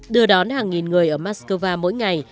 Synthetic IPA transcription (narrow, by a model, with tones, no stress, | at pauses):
ɗɨ˧əɗɔ˨˦nhaː˨˩ŋːi˨˩nŋɨ˨˩əjʔəː˧˩maː˧˥skəː˧vaː˧mo̰˧˥jŋa˨˩j